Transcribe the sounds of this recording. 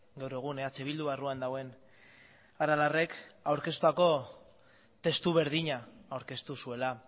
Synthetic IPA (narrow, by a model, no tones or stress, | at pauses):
ɡewɾe̞ɣ̞uneat͡seβild̪uβaruand̪awe̞n | aɾalare̞kawɾke̞st̪uako̞ | t̪e̞st̪uβe̞ɾð̞iɲaawɾke̞st̪usue̞la